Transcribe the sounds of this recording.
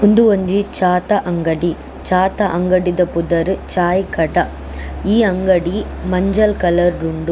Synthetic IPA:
ʊnd̪ɯʋɐɲd͡ʒit͡ʃaːt̪ɐʔɐŋɡɐɽi | t͡ʃaːt̪ɐʔɐŋɡɐɽiðɐpʊðɐɾɯt͡ʃaːjkɐɽɐ | iːɐŋɡɐɽi | mɐɲd͡ʒɐlkɐlɐɾːʊɳɖɯ

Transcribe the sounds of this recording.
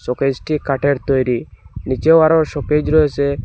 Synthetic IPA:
sɔked͡ʒʈikaʈeɾt̪ɔjɾinit͡ʃewaɾɔɾʃɔked͡ʒɾɔese

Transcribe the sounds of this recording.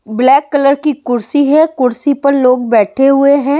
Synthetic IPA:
blɛːkːɐləɾkikʊɾsiɦɛ̃kʊɾsipɐɾloːɡ̚bɛːʈʰeɦʊeɦɛ̃ː

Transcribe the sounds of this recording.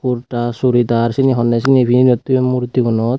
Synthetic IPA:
kuɾʈasuɾid̪aɾsiniɦɔnːɛs̬iniepʰininɔt̪ːuemuɾt̪iɡɔnɔt̪

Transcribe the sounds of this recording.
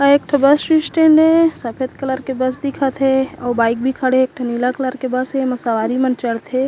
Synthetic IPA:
ɐeːk̚ʈʰɐbəsʃisʈẽːɳɖẽsɐpʰet̪kələɾkebəs̬d̪ɪkʰat̪ʰeɔːɾbaːɪk̚bʱikʰəɽeeːk̚ʈʰənilakələɾkebəsɦemɐsaʋaːɾimɐnt͡ʃəɽt̪ʰe

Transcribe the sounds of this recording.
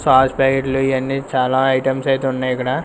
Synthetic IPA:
saːspaːkeʈluiɐnːit͡ʃaːlaːɐjʈɐmsɐjt̪eunːaːjɐkːɐɽaː

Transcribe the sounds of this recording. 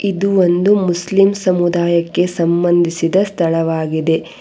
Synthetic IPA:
id̪uo̞nd̪umuslimsɐmud̪aːjɐkːe̞sɐmbɐnd̪ʱisid̪ɐst̪ʰɐɭɐʋaːɡid̪e̞

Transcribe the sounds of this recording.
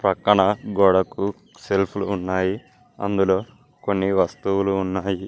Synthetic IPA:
pɾɐkɐɳɐɡɔːɽɐku | selpʰluːnːaːji | ɐ̰nd̪ulo̞ː | ko̞nːiʋɐst̪uwuluːnːaːji

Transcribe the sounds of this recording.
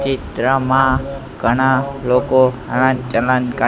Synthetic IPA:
t͡ʃit̪ɾəmã | ɡ̥ʱəɽ̃aloko | əñãt͡ʃələnkə

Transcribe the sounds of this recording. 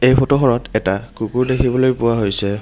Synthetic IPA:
ejpʰɔtɔɦɔɹɔtɛtakukuɹdekʰibɔlojpʊwaɦojsɛ

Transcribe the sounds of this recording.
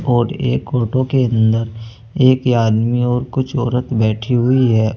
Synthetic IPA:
ɔːɾeːkoːʈõkeɐ̃nd̪əɾ | eːkaːd̪miɔːɾkʊt͡ʃʰɔːɾət̪bɛːʈʰiɦʊiɦɛː

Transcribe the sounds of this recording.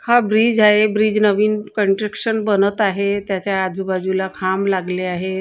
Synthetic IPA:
habɾiːd͡ʑaɦebɾiːd͡ʑnəʋiːnkəɳʈɾekʂənbənət̪aɦet̪jat͡ɕjaːd̪ʱmibad͡ʑulakʰamlaɡleaɦe

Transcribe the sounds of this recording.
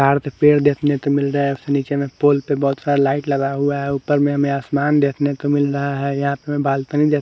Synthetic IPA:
aːɾt̪epeːɾd̪eːt̪ʰnet̪omɪlɾəɦeɦʊseniːt͡ʃemẽpoːlpebɔɦʊt̪saɾalaːɪʈləɡaɦuaɦɛupəɾmẽɦəmẽaːsmaːnd̪eːt̪ʰnet̪omɪlɾəɦaɦɛjɐɦãpəmẽbaːlt̪ənid̪eːt̪

